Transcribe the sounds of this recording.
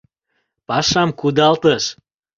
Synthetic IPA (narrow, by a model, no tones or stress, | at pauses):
pɑʃɑmkud̪ɑlt̪əʃ